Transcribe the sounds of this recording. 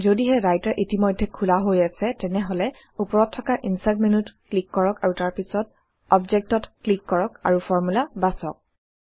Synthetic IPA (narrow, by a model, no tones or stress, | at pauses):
zodiɦɛɹajtaɹʔitimɔjdʱːɛkʰulaɦojasɛtɛnɛɦɔlɛ | upɔɹɔtʰːɔkaʔinsadmenutklikːɔɹɔkaɹutaɹpisɔt̚ | ɔbzɛk̚tɔtklikːɔɹɔka̰ɹufʰɔɹmulabasɔ̰k̚